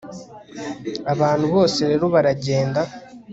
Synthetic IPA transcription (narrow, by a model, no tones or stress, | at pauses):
aβaːnhuβo̞ːse̞ɾe̞ːɾo̞βaɾaɟe̞ːnda